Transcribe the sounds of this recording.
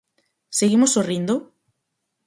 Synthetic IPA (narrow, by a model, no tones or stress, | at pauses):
seɣimosorind̪o